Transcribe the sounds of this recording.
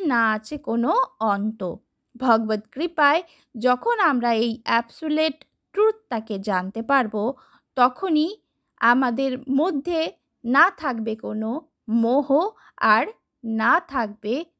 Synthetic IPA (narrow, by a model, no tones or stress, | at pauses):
naat͡ɕʰekonoɔnt̪o | bʱɔɡbod̪kɾipae | d͡ʑɔkʰonamɾaejɛbsoleʈː | ʈɾut̪̚t̪aked͡ʑant̪epaɾbo | t̪ɔkʰoni | amad̪eɾmod̪ʱːe | nat̪ʰakbekono | moɦo | aɾ | nat̪ʰak̚be